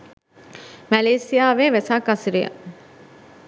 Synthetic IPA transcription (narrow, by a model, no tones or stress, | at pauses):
mæleːsijaːʋeːʋesaːkɐsiɾijɐ̰